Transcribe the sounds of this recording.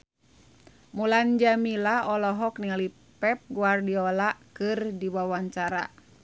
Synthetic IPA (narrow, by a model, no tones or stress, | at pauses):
muland͡ʒamilaɔlɔɦɔk̚niali | pɛp̚ɡuardiɔlakɨrdiwawaɲt͡ʃaɾa̰